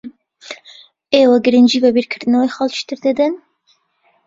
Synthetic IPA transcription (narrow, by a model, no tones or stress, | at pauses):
eːwɛɡɨɾɨnd͡ʒiːvɛbiɾkʰɨɾd̪ɨnawexɑlˠʃɨ̥t̪ɨɾd̪ɨd̪ɨn